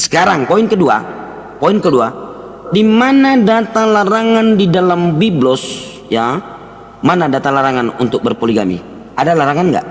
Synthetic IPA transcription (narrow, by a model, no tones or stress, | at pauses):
sə̥kaɾaŋpoinkədua̰ | poinkədua | dimanadat̪alaɾaŋandidalambiblɔs | ja | manadat̪alaɾaŋanṵnt̪ʊk̚bərpoliɡa̰mḭ | adalaɾaŋanɡa̰ʔ